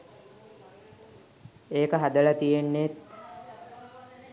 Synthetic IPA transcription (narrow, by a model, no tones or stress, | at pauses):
eːkəɦad̪əlat̪ijenːet̪